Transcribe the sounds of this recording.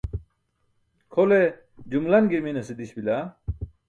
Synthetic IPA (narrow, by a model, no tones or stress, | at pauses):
kʰole | d͡ʑumlɐnɡiɾminɐsid̪iɕbila